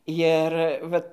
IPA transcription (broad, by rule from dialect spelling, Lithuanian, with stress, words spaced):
jɪr ˈʋɐt